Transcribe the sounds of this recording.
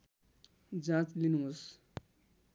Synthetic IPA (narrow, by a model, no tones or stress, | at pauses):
d͡zãt͡slinuɦos